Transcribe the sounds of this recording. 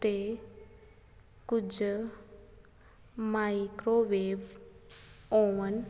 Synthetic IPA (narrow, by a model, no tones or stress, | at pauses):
t̪e | kʊd͡ʒ | maikɾoʋeːʋ | oʋən